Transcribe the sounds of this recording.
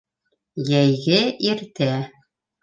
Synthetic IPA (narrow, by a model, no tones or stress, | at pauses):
jæjɡɘiɾt̪æ